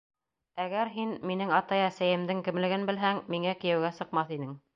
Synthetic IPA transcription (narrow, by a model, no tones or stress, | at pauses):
æɡæɾɦinminɘŋɑt̪ɑjæsæjɘ̆md̪ɘŋkɘ̆mlɘ̆ɡɘnbɘ̆lɦæŋmiŋækɘ̆jæ̆wɡæsɤ̆qmɑθinɘŋ